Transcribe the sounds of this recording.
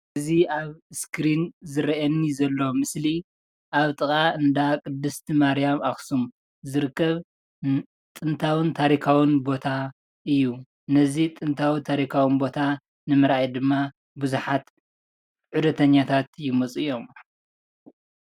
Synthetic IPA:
ɨziaβskʰɾinzɨɾɐʔɐnːizɐlːomɨsli | ʔaβt̪ʼɨkʼaɨnd̪akʼɨd̪ːɨst̪ʰimaɾijamaxsum | zɨɾɨkːɐβ | t̪ʼɨnt̪ʰawɨnt̪ʰaɾikʰawɨnbo̞t̪ʰa | ʔɨjːu | nɐzit̪ʼɨnt̪ʰawit̪ʰaɾikʰawɨnbo̞t̪ʰa | nɨmɨɾajd̪ɨmːa | buzuħat̪ | ħud̪ɐt̪ʰɐɲːat̪ʰat̪jɪmot͡sʼɨjo̞m

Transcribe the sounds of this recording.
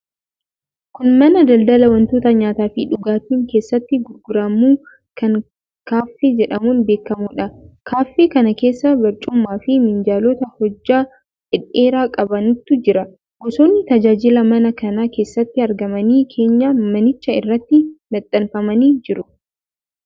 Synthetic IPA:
kʊnmɐnɐd̪ɐld̪ɐlɐwɐnt̪oːt̪ɐɲaːt̪aːfɪᶑʊɡaːt̪iːŋke̞ːsːɐt̪ːɪɡʊɾɡʊɾɐmuː | kɐŋ | kaːfːed͡ʒɛᶑɐmuːnbe̞ːkːɐmʊᶑɐkʰaːfːeːkɐnɐke̞ːsːɐbɐɾt͡ʃʼʊmːaːfɪmɪnd͡ʒaːloːt̪ɐhɔd͡ʒːaː | ᶑɪᶑːeːɾaːkʼɐbɐnʊt̪ːʊd͡ʒɪɾɐ | ɡɔsoːnːɪt̪ɐd͡ʒaːd͡ʒɪlɐmɐnɐkɐnake̞ːsːɐt̪ːɪɐɾɡɐmɐniːkʰe̞ːɲːaːmɐnɪt͡ʃːɐɪ̰rːɐt̪ːɪmɐt̪ʼːɐnfɐmɐniːd͡ʒɪɾʊ

